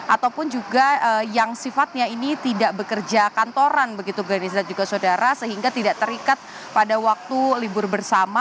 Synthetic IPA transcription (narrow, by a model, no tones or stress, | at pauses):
ʔat̪awpʊnd͡ʒuɡaəjaŋsifat̪̚ɲainit̪idaʔbəkərd͡ʒakant̪oɾanbəɡit̪uɡɾanis̬dat̪̚d͡ʒuɡasodaɾʔasəɦiŋɡat̪idaʔt̪əɾikat̪̚ | padawak̚t̪ulibʊrbərsama